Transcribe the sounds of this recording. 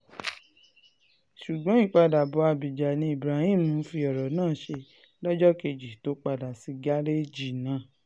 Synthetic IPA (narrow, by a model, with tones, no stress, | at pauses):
ʃu˨ɡ͡bɔ̃˨˦i˦˨k͡pa˧da˨bɔ˨˧a˧bi˨d͡ʒa˨nĩ˧i˨bɾa˨˦hĩ˦˨mũ˨˦fi˧ɔ˨ɾɔ˨nãː˦˨ʃe˧ | lɔ˦d͡ʒɔ˦ke˧d͡ʒi˨to˨˦k͡pa˧da˨si˧ɡa˦ɾe˦d͡ʒi˨nãː˨˦˨